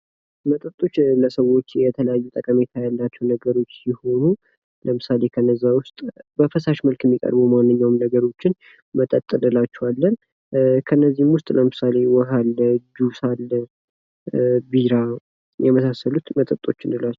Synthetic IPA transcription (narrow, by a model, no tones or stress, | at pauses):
mət̪ʼət̪ʼːo̞t͡ʃːləsəwo̞t͡ʃːjɛt̪ʰələjajːɛt̪ʼəkʼəmet̪ʰajalːat͡ʃːɛwnəɡəɾo̞t͡ʃːjɪho̞nu | ləmɨsale̞kʰənːəzːawʊst̪ʼbəfəsaʃməlkjɛmːikʼə̰ɾbumanːɨɲːawmnəɡəɾo̞t͡ʃːɪn | mət̪ʼət̪ʼːɨnɨlat͡ʃːɛwalːən | kʰənːəzːimwʊst̪ʼləmɨsale̞wɔɦalːəd͡ʒusalːə | biɾa | jɛməsasːəlut̪mət̪ʼət̪ʼːo̞̰t͡ʃːɪ̰nɨlat͡ʃːɛ